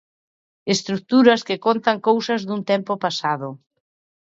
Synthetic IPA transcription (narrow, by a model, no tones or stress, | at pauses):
est̪ɾuk̚t̪uɾɐskɪkont̪ɐŋkowsɐzðunt̪ɛmpopasað̞ʊ